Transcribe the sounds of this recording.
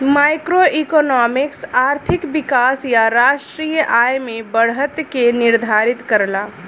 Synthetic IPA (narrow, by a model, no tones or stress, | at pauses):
majkɾoʔikɔnɔmiksaɾt̪ʰikbikasjaɾaʃʈɾijəʔajmebəɽ̤ət̪keniɾd̪ʱaɾit̪kəɾla